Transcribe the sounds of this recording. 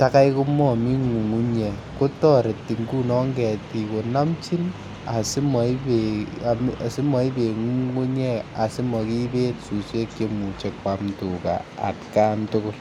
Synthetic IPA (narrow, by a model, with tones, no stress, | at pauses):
ta˦ka˦jku˦mɔ˨mi˦ŋu˨ŋu˦ɲɛ˨ | ko˦tɔ˦ɾe˨ti˨ŋɡu˦nɔ˦ŋɡɛ˨ti˨ko˨na˦mt͡ʃi˦n | a˨si˦mɔ˨i˦bea˨m˨si˦mɔ˨i˦be˨ŋu˦ŋu˦ɲɛ˦a˨si˦mɔ˨ki˦be˦tsu˨se˦kːe˦mu˨t͡ʃe˨k̚wa˨mtu˨ka̰˨a̰˨tkaː˦ntʊ˦kʊ˦l